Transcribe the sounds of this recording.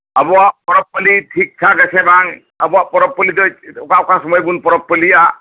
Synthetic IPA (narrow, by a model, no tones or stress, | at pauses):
əbɔapɔɾɔpːəliʈʰik̚t͡ʃʰaɡəsʰebʱaŋ | əbɔapɔɾɔpːəlid̪ot͡ʃokaokasɔmɔjbunpɔɾɔpːəlija